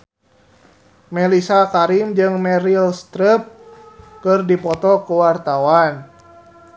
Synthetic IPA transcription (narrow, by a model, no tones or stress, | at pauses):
mɛlisakaɾimd͡ʒɨŋmɛɾilst̪ɾəp̚kɨrdipɔt̪ɔkuwart̪awan